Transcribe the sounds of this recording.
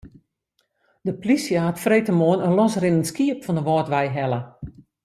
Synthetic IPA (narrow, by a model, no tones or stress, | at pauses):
dəplisjəaatfrejtəmoənənlɔsrɪnənskiəpfɔndəʋɔːtʋɛjɦɛlˠə